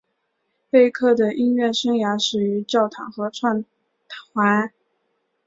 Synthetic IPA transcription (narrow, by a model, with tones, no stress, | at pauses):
pe˥˧ɪkʰɤ˥˩d̪ə˩ʔi˥nɥɛ˥˩ʂɤ˥ŋja˧˥ʂɻ̩˨˩y˧˥t͡ɕjɑ˥˩ʊt̪ʰɑ̰˨˩ŋxɤ˧˥ʈ͡ʂʰwa˥˩n | t̪ʰxwa˧˥n